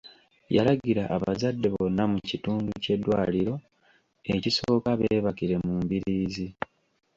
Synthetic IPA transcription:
jalaɡiɾaʔːβazadːe̞βo̞nːamucituːnduce̞dːwaːliɾo̞ | ecisoːkaβeːβakiɾe̞muːmbiɾiːzi

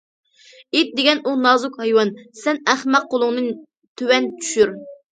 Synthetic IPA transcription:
et̪̚d̪eɡʲɛnunɑzʊkhɑjwɑnsɛnæχmæq̚qolˠʊŋnɨ | t̪ʰøwɛnt͡ʃʰy̥ʃyɾ

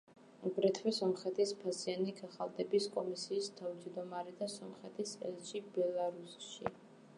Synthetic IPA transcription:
uɡɾɛt̪ʰwɛsɔmχɛt̪ʰispʰasianiɡaχalˠd̪ʼɛbiskʼɔmisiːst̪ʰavd͡ʒd̪ɔmaɾɛd̪asɔmχɛt̪ʰisɛ̰lʃibɛlˠaɾusʃḭ

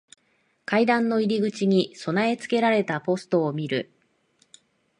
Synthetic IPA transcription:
kaid̪ãnːo̞iɾʲiɡɯ̟t͡ɕiɲ̟iso̞nae̞t͡sɨ̥ke̞ɾaɾe̞t̪apo̞sɨ̥t̪o̞ːmʲiɾɯ̟

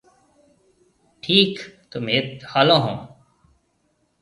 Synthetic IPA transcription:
ʈʰiːkt̪ʊmeːt̪haːlõːɦõː

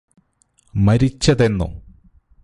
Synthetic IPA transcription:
mɐɾit͡ɕːɐðe̞nːṵ

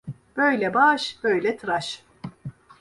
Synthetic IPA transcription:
b̥ø̞jlʲɛbaːʃbø̞jlʲɛt̪ʰɾaʃ

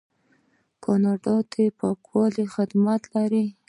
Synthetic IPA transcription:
kʰɑnɑɖɑt̪epɑkwɑlixɪd̪mat̪laɾi

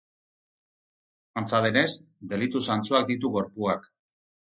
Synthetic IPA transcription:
ant͡saðe̞ne̞sd̪e̞lit̪usant͡suak̚d̪it̪uɣo̞ɾpuak

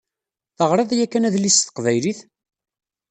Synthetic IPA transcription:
θəʁɾˤɑðˤjækːænæðlist̪ə̥qvæjliθ

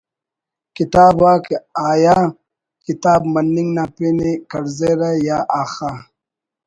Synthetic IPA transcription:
kit̪aːbwaːkeaːjaː | kit̪aːbmɐnːiŋɡnaːpenikɐɾzeɾajaːʔaːxa

